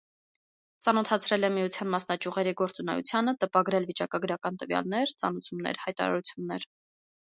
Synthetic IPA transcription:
t͡sɑnɔt̪ʰɑt͡sʰɾɛlɛmijut͡sʰjɑnmɑsnɑt͡ʃjuʁɛɾiɡɔɾt͡sunɛ̰jṵt͡sʰjɑnət̪əpɑɡɾɛlvit͡ʃɑkɑɡəɾɑkɑnt̪əvjɑ̰lnɛɾt͡sɑ̰nut͡sʰumnɛ̰ɾhɑjt̪ɑ̰ɾɑ̰ɾut͡sʰjunːɛɾ

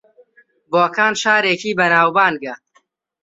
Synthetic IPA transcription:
boːkaːnʃaːɾeːkiːbɐnaːwbaːnɡɐ

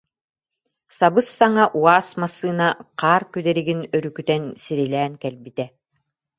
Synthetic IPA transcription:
sabɯsːaŋaʔuaːsmasːɯːnaqaːɾkyd̪ɛɾiɡinœɾykyt̪ɛnsiɾilæːnkɛlbit̪ɛ

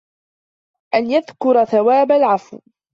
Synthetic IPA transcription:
ʔanjaðkʊɾˤaθawaːbalʕafw

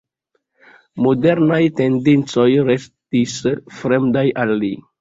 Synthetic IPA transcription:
mo̞de̞ɾnajte̞ndint͡so̞jɾe̞stisfɾe̞mdajalːi

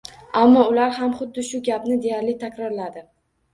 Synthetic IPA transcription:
amːɒʊlaɾhamχʊd̪ːɪʃʊɡʲapnɪd̪e̞jaɾlɪt̪ʰakʲɾɒɾlad̪ɪ

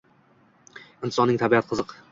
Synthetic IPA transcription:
ɪnt̪ɪsɒnɪŋt̪ʰabiat̪̚qʰɨzɨq

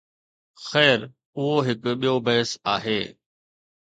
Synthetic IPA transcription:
xɛːɾ | ʊɦoɦɪkɓijobɐɦɪsaːɦeː

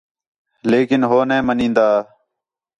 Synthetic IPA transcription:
leːkɪnɦoːnẽːmənĩːnd̪aː

